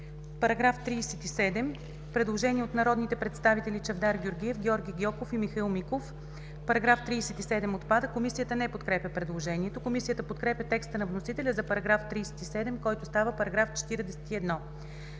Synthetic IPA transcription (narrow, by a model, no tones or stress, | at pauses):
pɐɾɐɡɾaft̪ɾiːsɛt̪isɛd̪ɛm | pɾɛd̪lˠoʒɛniɛot̪nɐɾɔd̪nit̪ɛpɾɛt̪st̪avit̪ɛlʲit͡ʃɐvd̪aɾɡʲoɾɡʲiɛfɡʲɔɾɡʲiɡʲjɔkofimixilˠmikof | pɐɾɐɡɾaft̪ɾiːsɛt̪isɛd̪ɛmot̪pad̪əkomisijət̪ənɛpot̪kɾɛpʲəpɾɛd̪lˠoʒɛniɛt̪okomisijət̪əpot̪kɾɛpʲjɐt̪ɛkst̪ənɐvnosit̪ɛlʲəzɐpɐɾɐɡɾaft̪ɾiːsɛ̥t̪isɛd̪ɛmkɔjt̪ost̪avəpɐɾɐɡɾaft͡ʃɛ̥t̪iɾd̪ɛsɛt̪iɛd̪nɔ